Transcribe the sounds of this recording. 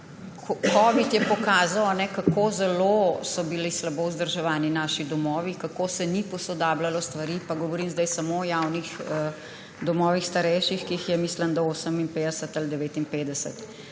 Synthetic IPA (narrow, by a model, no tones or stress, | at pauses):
kɔkɔʋit̪jɛpɔkaːzawanɛkakoːzɛlosɔbilislabouzd̪əɾʒɛʋaːninaːʃid̪ɔmɔːʋikakoːsɛnipɔsɔd̪aːblalɔst̪ʋaɾiːpaɡɔʋɔɾiːmzd̪ɛjsamoːjawnixə | d̪ɔmɔːʋixst̪aɾɛjʃixkiːxjɛmiːslənd̪ɔoːsəminpeːd̪ɛsət̪ald̪ɛʋeːt̪inpeːd̪ɛsə̰t̪